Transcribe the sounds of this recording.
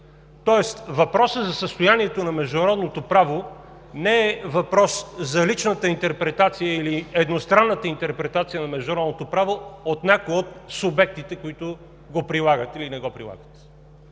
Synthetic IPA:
t̪ɔɛst̪vɐpɾɔsəzɐsəst̪ojaniɛt̪onɐmɛʒd̪ʊnɐɾɔd̪not̪opɾavo | nɛɛvɐpɾɔszɐlit͡ʃnət̪əint̪ɛɾpɾɛt̪at̪sijəiliɛd̪nost̪ɾanːət̪əint̪ɛɾpɾɛt̪at̪sijənɐmɛʒd̪ʊnɾɔd̪not̪opɾavoot̪nʲakojot̪̚sʊbɛk̚t̪it̪ɛkoit̪ʊ | ɡopɾilˠaɡət̪ilinɛɡɔpɾḭlˠa̰ɡət̪

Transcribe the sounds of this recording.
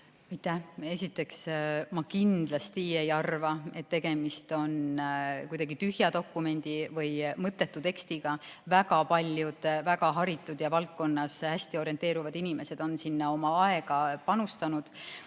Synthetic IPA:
ɑjt̪ːˑæhe̞sʲit̪ːˑe̞ksmɑkind̪̥lɑst̪ie̞jɑrvɑe̞t̪ːe̞ɡ̥e̞mist̪o̞nkujd̪ɑɡit̪yhjɑd̪o̞kːˑume̞nʲd̪̥ivɤjmɤt̪ːˑe̞t̪ːut̪e̞kst̪iɡ̥ɑvæɡɑpɑlʲjud̪̥væɡɑɦɑɾit̪ːˑud̪̥jɑvɑlk̚ko̞nːɑshæsʲt̪io̞ɾie̞nt̪e̞ːɾuvɑd̪̥inime̞se̞d̪̥o̞nsinːɑo̞mɑɑe̞ɡ̥ɑpɑnust̪ɑnud̪̥

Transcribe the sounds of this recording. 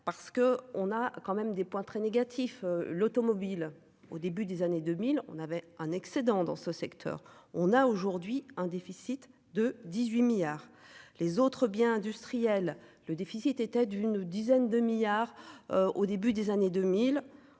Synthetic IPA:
paʁsə̥kəɔ̃nakɑ̃mɛmd̪epwɛ̃t̪χɛneɡʲat̪ʰifølot̪ɔmɔbil | o̰d̪ebyd̪ezaned̪ømilɔ̰̃navɛɛ̃nɛksed̪ɑ̃d̪ɑ̰̃səsɛkt̪ʰœ̰ʁɔ̃naoʒuʁd̪ɥiɛ̃d̪efisit̪ | d̪əd̪izɥimiljaːʁlezot̪χəbjɛ̃ɛ̃d̪yst̪χijɛlː | əd̪efisit̪et̪ɛd̪ynd̪izɛnd̪əmiljaʁøod̪ebyd̪ezaned̪ømil

